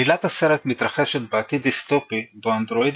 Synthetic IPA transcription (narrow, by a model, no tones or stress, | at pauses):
ilat̪haseɾet̪mit̪ɾɐχe̞ʃet̪beat̪id̪ist̪o̞pibeand̪ɾo̞id̪